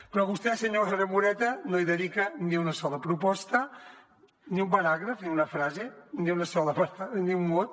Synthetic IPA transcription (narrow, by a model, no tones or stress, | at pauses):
pɾɔβust̪ɛsəɲoxeɾəmuɾɛt̪ənoiðəðikəniunəsɔləpɾupɔst̪ə | niumbənaɣɾəfniunəfɾazeniunɐsɔləpaniummot̪̚